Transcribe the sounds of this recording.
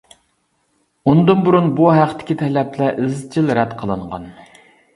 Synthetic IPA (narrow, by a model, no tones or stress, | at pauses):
ond̪ɨnbuɾunbuɦæqt̪ʰɪ̥kʲit̪ʰɛlɛplɛʔɪzt͡ʃʰilɾɛt̪qʰəlˠɨɴʁɑ̰n